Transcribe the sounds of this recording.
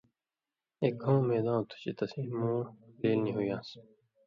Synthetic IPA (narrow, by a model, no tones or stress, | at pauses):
eːk̚õːmeːd̪ãːt̪ʰu̥t͡ɕet̪ɐsĩːmõːʈeːlnĩɦujãːs